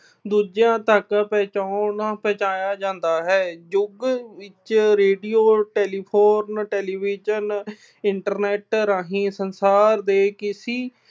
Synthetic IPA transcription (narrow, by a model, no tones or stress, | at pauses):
d̪uːd͡ʒjãːt̪əkpɛ̃ːt͡ʃaːnaːpɛ̃ːt͡ʃaːjaːd͡ʒãːnd̪aːɦɛːd͡ʒʊɡʋɪt͡ʃɾeːɖiːoːʈɛːliːpʰoːɾnʈeːliːʋiːd͡ʒən | ɪɳʈəɾnɛːʈɾaːɦĩːsənsaːɾd̪eːkɪsiː